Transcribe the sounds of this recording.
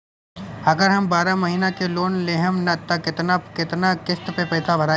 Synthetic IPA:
ɐɡəɾɦɐmbaːɾamɐɦiːnakeloːnleɦəmnɐt̪ːakɪt̪nakɪt̪nakɪst̪pepɐːt̪ʰabʱɐɾaː

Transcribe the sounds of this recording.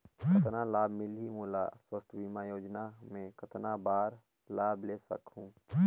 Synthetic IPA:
kʰət̪nalaːbmɪlɦimuːla̰swəst̪ʰbiːmaːjoːd͡ʒnamẽkət̪nabaːɾ | laːbleːsə̰kɦũː

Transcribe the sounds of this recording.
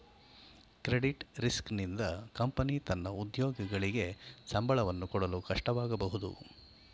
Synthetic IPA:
kɾeɽiʈɾisknind̪ɐkɐmpɐnit̪ɐnːɐud̪jɔːɡɐɡɐɭiɡe̞sɐmbʱɐɭɐʋɐnːukɔɽɐlukɐʂʈɐʋaːɡɐbɐɦud̪ṵ

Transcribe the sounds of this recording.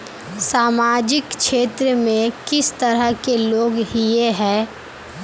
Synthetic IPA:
saːmaːd͡ʒɪkʃeːt̪ɾəmẽkɪst̪əɾəɦkeloːɡɦijeɦɛː

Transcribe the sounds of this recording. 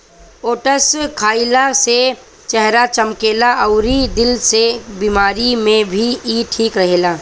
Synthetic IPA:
oːʈəskʰaːilase | t͡ʃɛɦɾat͡ʃəmkeːlaʔɐʊɾid̪ɪlsebiːmaːɾimẽbʱiiːʈʰiːkɾɐɦeːlaː

